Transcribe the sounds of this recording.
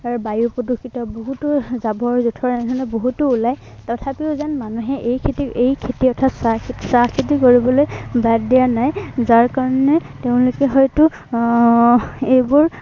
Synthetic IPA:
aɹubajupɔdokʰːitɔboɦutʊzabɔɹzutʰɔɹɛnɛdʰʱɔnɛboɦutʊːlaj | tɔtʰapiʊzanmanuɦɛʔejkʰetiʔejkʰetiɔtʰatsakʰitsakʰitikoɹibɔlojbaddianajzaɹkaɹɔnɛteʊ̃lʊkɛɦɔjtʊ | ejbʊɹ

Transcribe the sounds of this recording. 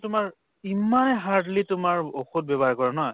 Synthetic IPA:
tʊmaɹ | imːanɛɦaɹdlitʊmaɹoxut̚bɛbaɹkɔɹɛnɔj

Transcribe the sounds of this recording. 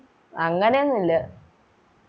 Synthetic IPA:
ɐŋːɐnejonːilːɐ

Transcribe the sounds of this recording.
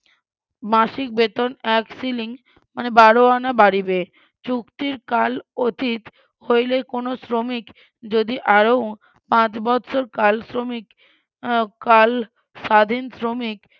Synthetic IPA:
maʃik̚bet̪onɛksiliŋ | manebaɽoanabaɽibe | t͡ɕukt̪iɾkalot̪it̪ | hojlekonosɾomik | d͡ʑod̪iʔaɾow | pãt͡ɕbɔt̪ːʃʰoɾkalsɾomik | kal | sad̪ʱinsɾomik

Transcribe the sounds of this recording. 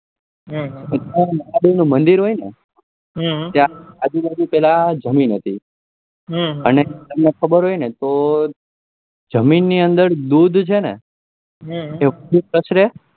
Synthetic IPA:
ɦ̪ot̪ãmaabinũmənd̪iɾɦojne | ɦt̪jãːd͡ʒubad͡ʒupɛlad͡ʒəminɦət̪ʰi | ɦənet̪əmnekʰəbəɾɦoinet̪o | d͡ʒəminːiənd̪əɾd̪ud̪ʱt͡ʃʰenḛ | ɦeʋəd̪ʱupɾəʃɾe

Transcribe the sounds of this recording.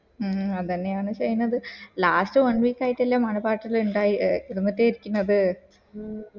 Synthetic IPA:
ɐt̪ɐnːejaːɳɨt͡ɕejnːɐðɨlaːstɨʋɐnʋiːkːaːjiʈːelːaːmɐnɐpaːʈːiluɳɖaːjiiɾɐmːɐt̪ːeiɾikʲːunːɐðɨ

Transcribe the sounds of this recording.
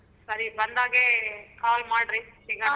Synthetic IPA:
sɐɾibɐnd̪aːɡekaːlmaːɽɾisiɡa

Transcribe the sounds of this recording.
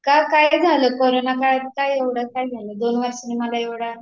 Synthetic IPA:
kakajd͡zʱaləːkoɾonakat̪kajeʋɽakajd͡zʱaləːd̪onʋəɾɕəniməlaeʋɽa

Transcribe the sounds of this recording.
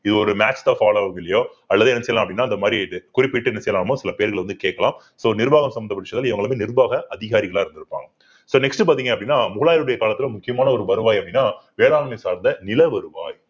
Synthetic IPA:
ɪðɯɔɾɯmaːt͡ʃt̪aːfaːloːɐɡɐɭːɐjoː | ɐlːɐðɯɛnːɐsɛjlãːɐpːɐɽɪnːaːɪnd̪ɐmaːd̪ɾiɯkʊɾɪpːɪʈːɯɛnːɐsɛjɐlaːɐmõːsɪlɐpeːɐɾɣɐɭʋɐnd̪ɯkeːʈkːɐlã̰ː | soːnɪɾɯbaːɣɐmsɐmɐd̪ɐpɐɽɪʂɐt̪ːlɪʋɐŋɡɐɭmeːnɪɾɯbaːɣɐʔɐðɪɣaːɾɪɣɐɭãːɪɾɯnd̪ɪɾɯpːa̰ːŋɡɐ | soːnɛksʈɯpaːɾt̪̬iːŋɡɐpːɐɽinːaːmʊɣɭaːjɪɾɯɽɐjɐkaːlɐt̪ːɪlʊ̃mʊkːɪjɐmaːnɐɔɾɯbɐɾɯʋaːjɐpːɐɽɪnːaːʋeːɽaːlɐmesaːɾnd̪ɐnɪlɐʋɐɾɯʋa̰ːj

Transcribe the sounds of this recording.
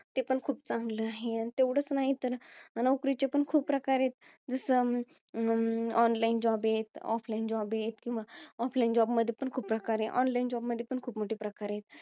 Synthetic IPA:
t̪epəɳkʰuːp̚t͡sãŋɡləaɦeanit̪eʋɽ̤ət͡snaɦit̪əɾnəwkɾit͡ɕepəɳkʰuːpːɾəkaɾet̪ | d͡zəsə | ɔnlaind͡ʑɔbet̪ɔ̰fʰlaind͡ʑɔbet̪kĩʋaɔfʰlaind͡ʑɔbməd̪ʱːjepəɳkʰuːpːɾəkaɾeʔɔ̰nlaind͡ʑɔbməd̪ʱjepəɳkʰuːpmoʈiːpɾəkaɾjet̪̚

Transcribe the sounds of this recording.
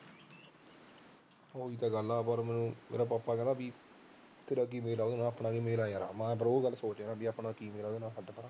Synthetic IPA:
oːiːt̪aːɡəlaːpəɾmɛ̃ːnũːmʔḛːɾaːpaːpːaːkɛːlaːbiː | t̪ʰɪɾak̬iːmeːlaːd̪ːnãːəpnaːɡiːmeːlaːjaːɾa̰ːmɛ̃ːpəɾoːɡəlːsoːt͡ʃeːnãːbiːapnãːkiːmeːlaːd̪eːnãːsəɖapəɾaː

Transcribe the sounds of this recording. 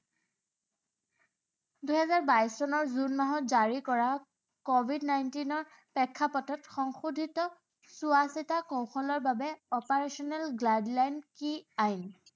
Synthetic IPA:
dujhɛzaɹbajssɔnɔɹzunmaɦɔtzaɹikɔɹa | kɔbʱidnajntinɔɹ | pɛkʰːapɔtɔtxɔŋxudʱitɔ | suasitakow̃xɔlɔɹbabɛɔpaɹesɔnɛlɡladlajnkiajn

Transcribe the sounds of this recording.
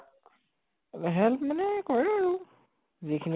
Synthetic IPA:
ɦɛlpmanɛkɔɹɛɔaɹu | zikʰini

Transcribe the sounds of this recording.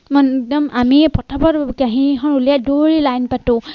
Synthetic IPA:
mɔnk̚dɔmamipɔtʰapɔtkaɦiɦɔ̃ɹulijadoɹilajnpatʊ̃

